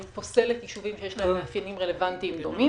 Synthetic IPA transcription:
mpo̞se̞let̪jiʃuvimʃejeʃlaemeafjenimʁele̞vant̪iːmd̪omi

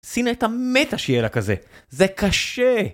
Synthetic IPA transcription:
sinaet̪amet̪aʃejelakazezekaʃe

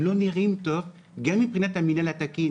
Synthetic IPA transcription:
loniʁimt̪ɔ | ɡamipʁinat̪aminalat̪aki

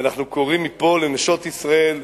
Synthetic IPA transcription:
anaχnuko̞ʁimːipo̞leneʃo̞t̪isʁae̞l

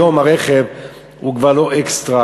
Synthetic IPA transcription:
o̞maʁeχev | ukvaʁlo̞ʔekst̪ʁa

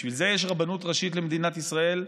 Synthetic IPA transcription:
ʃvilze̞jeʃ̬ʁabanut̪ʁaʃit̪lemed̪inat̪isʁae̞l

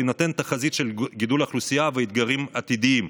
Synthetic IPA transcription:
nat̪ent̪aχazit̪ʃe̞lɡid̪ulaχlusijaveit̪̚ɡaʁimat̪id̪iim

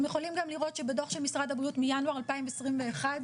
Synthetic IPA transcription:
mjeχo̞limɡamliʁo̞t̪ʃebedo̞χʃemisʁadabiut̪mijanuaʁalpaimvesʁimve̞ːχad

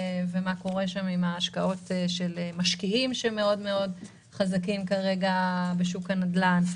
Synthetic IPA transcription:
vemako̞ʁeʃamimaːʃkao̞tʃelemaʃkiimʃeme̞o̞dme̞o̞d | χazakimkaʁe̞ɡabeʃukanadlan

